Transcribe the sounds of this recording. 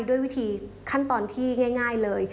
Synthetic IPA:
jdu˥˩əjwi˦˥t̪ʰiː˨˧kʰa˥˩nt̪ɔː˧nt̪ʰiː˥˩ŋaː˥˩jŋaː˥˩jlɤː˧j

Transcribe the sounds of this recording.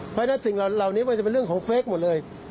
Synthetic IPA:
pʰɔː˧˥˩na˦˥si˨˩ŋla˨˩laː˨˩wniː˦˥ma˧ŋt͡ɕpe˧ɾɯ˥˩əŋkʰːŋfeː˦˥k̚mo˨˩t̚lɤː˧j

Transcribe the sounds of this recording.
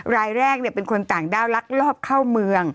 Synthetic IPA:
ɾaː˧jɾɛː˥˩k̚ni˥˩əpe˧nkʰo˧nt̪aː˨˩ŋdaː˥˩wla˦˥k̚lɔː˥˩p̚kʰa˥˩wmɯ˧əŋ

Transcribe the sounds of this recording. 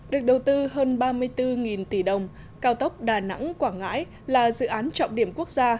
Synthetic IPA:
ɗɨ˨˩ək̚ɗə˨˩wt̪ɨ˧ɦəː˧nɓaː˧mɨ˧əjt̪ɨ˧ŋi˨˩nt̪i˧˩ɗə˨˩wŋ͡m | kaː˧wt̪ə˦˥wk͡p̚ɗaː˨˩na̰˧˥ŋkwaː˧˩ŋŋa̰ː˧˥j | laː˨˩zɨ̰˧˨ʔaː˨˦nt͡ɕɔ̰˧˨wŋ͡mɗi˧˩əmku˦˥ək̚zaː˧

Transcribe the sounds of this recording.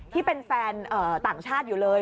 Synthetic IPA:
t̪ʰiː˥˩pe˧nfɛː˧nʔɤː˨˩t̪aː˨˩ŋt͡ɕʰaː˥˩t̪̚juː˨˩lɤː˧j

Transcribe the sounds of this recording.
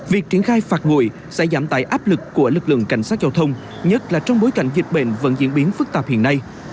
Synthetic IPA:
vi˨˩ək̚t͡ɕi˧˩ənxaː˧jfaː˨˩t̚ŋṵ˧˩j | sɛ̰˧˥zaː˧˩mt̪a̰ː˧˨jʔaː˦˥p̚lɨ˨˩kːu˧˩əlɨ˨˩k̚lɨ̰˧˨əŋka̰˧˩jŋsaː˦˥t̚zaː˧wt̪ʰə˧wŋ͡m | ɲə˦˥t̚laː˨˩t͡ɕɔ˧wŋ͡mɓo˨˦jka˧˩jŋ̟zï˨˩k̟̚ɓe˧˩nvə̰˧˥nzḭ˧˥ənɓi˨˦ənfɨ˦˥k̚t̪aː˨˩p̚hḭ˧˨ənːa˧j

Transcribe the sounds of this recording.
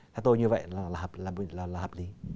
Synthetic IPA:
t̪ʰɛ˨˦t̪o˧jɲɨ˧və̰˧˨jlaː˨˩laː˨˩hə˨˩p̚laː˨˩˨laː˨˩laː˨hə˨˩li˨˦

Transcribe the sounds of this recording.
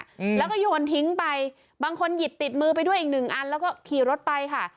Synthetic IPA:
lɛː˦˥wkɔː˥˩joː˧nt̪ʰi˦˥ŋpa˧j | baː˧ŋkʰo˧nji˨˩t̪̚ːi˨˩t̪̚mɯː˧p̬a˧jdu˥˩əʔi˨˩k̚nɯ˨˩ŋʔa˧nlɛː˦˥wkɔː˥˩kʰiː˨˩ɾo˦˥t̪̚pa˧jkʰa˥˩

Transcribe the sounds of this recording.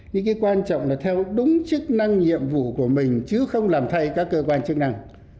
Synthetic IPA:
ɲɨ̰˧˥ŋkaː˨˦jkwaː˧nt͡ɕɔ̰˧˨ŋ͡mlaː˨˩t̪ʰɛ˧wɗʊ˨˦ŋ͡mt͡ɕɨ˦˥k̚na˧ŋɲḭ˧˨əmvṵ˧˨ku˧˩əmï˨˩ŋ̟t͡ɕɨ˨˦xə˧wŋ͡mlaː˨˩mt̪ʰa˧jkaː˦˥kːəː˧kwaː˧nt͡ɕɨ˦˥k̚na˧ŋ

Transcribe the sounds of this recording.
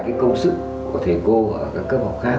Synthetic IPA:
kaː˨˦jkə˧wŋ͡msɨ˦˥k̚ | ku˧˩ət̪ʰe˨˩ko˧ʔəː˧˩kaː˦˥kːəː˦˥p̚ha˨˩wk͡p̚xaː˦˥

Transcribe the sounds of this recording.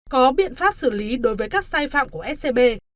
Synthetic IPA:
kɔ˨˦ɓḭ˧˨ənfaː˦˥p̚sɨ˧˩li˨˦ɗo˨˦jvəː˨˦jkaː˦˥k̚saː˧jfa̰ː˧˨mku˧˩əʔɛ˦˥t̚se˧ɓe˧

